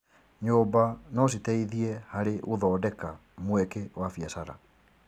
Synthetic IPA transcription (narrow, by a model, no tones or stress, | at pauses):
ɲobanɔs̬itɛiðiɛhaɾeʔoðɔːdɛka | mwɛkewafiasaɾa̰